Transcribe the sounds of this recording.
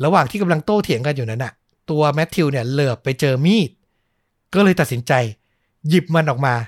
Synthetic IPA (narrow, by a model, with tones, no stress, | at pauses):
ɾa˧waː˨˩ŋt̪ʰiː˥˩ka˧mla˧ŋt̪oː˥˩t̪ʰi˨˩˦ŋka˧njuː˨˩na˦˥nːʔa˨˩ | t̪u˧ɐmɛ˦˥t̪ʰːi˧wni˥˩ɐlɯː˨˩əpːa˧jt͡ɕɤː˧miː˥˩t̪̚ | kɔː˥˩lɤː˧jt̪a˨˩t̪̚si˩˦nt͡ɕa˧j | ji˨˩p̚ma˧nʔɔː˨˩k̚maː˧